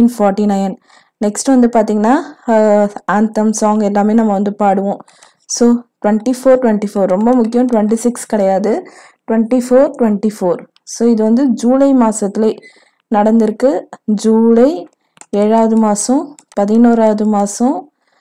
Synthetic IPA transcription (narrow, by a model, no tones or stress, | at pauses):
nfɔːɾʈinɐjɐn | nɛksʈɯʋɐnd̪ɯpaːɾt̪iːŋɡɐnːaː | aːnt̪ɐmsaːŋɡɛlːaːmeːnɐmːɐʋɐnd̪ɯpaːɽɯʋõː | soːʈʋɐɳʈifoːɾʈʋɛɳʈifoːɾɾɔmbɐmʊkːɪjɐ̃mʈʊʋɛɳʈisɪkskɪɽɐjaːðɯ | ʈʋɛɳʈifoːɾʈʋɛɳʈifoːɾ | soːɪðɯʋɐnd̪ɯd͡ʒuːlɐɪmaːsɐt̪ːɪleː | nɐɽɐnd̪ɪɾɯkːɯd͡ʒuːlɐɪ | eːɻaːʋɐðɯmaːsɐ̃ | pɐðɪnoːɾaːʋɐðɯmaːsɐ̃